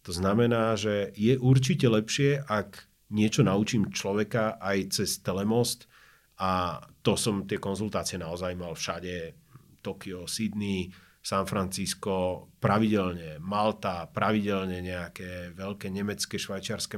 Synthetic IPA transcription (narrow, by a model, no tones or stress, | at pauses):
t̪ɔznamɛnaːʒɛjɛʔuɾt͡ʃicɛlɛpʃɪɛʔak | ɲɪɛt͡ʃɔnaut͡ʃiːmt͡ʃlɔʋɛkaʔajt͡sɛst̪ɛlɛmɔst̪ | at̪ɔsɔmt̪ɪɛkɔnzult̪aːt͡siɛnaɔzajmalfʃaɟɛ | t̪ɔkiɔsid̪ni | sanfɾant͡siskɔpɾaʋiɟɛlɲɛmalt̪apɾaʋiɟɛlɲɛɲɛakɛːʋɛʎkɛɲɛmɛt͡skɛʃʋajt͡ʃɪaɾskɛ